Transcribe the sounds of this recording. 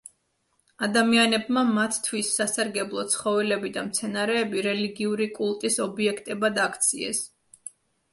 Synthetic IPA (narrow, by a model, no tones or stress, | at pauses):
ad̪amianɛbmamat̪ːʰwisːasaɾɡɛblˠɔt̪sʰχɔvɛlɛbid̪amt̪sʰɛnaɾɛːbiɾɛliɡiuɾikʼulˠt̪ʼisɔbiɛkʰt̪ʼɛbad̪akʰt̪sʰiɛ̰s